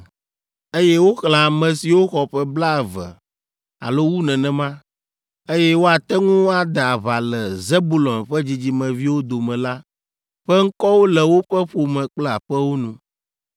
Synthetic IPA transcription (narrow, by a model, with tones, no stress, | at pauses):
e˦jɛ˦wo˦xl̃ã˨a˨mɛ̃˨si˨wo˦xɔ˨ɸɛ˦bla˦ɛ˨vɛ̰˨ | a̰˨lo˦wu˦nɛ̃˨nɛ̃˨mã˦ | e˦jɛ˦wo˦a˨t̪ɛ˦ŋũ˦wa˨d̪a˨a˨βa˨lɛ˨ze˦bu˨lɔ̃˨nɸɛ˦d͡ʑi˦d͡ʑi˦mɛ̃˨vi˦wo˦d̪o˨mɛ̃˨la˦ | ɸɛ˦ŋ̩˦kɔ˦wo˦lɛ˨wo˦ɸɛ˦ɸo˨mɛ̃˨k͡plɛ˦a˨ɸɛ˦wo˦nũ˨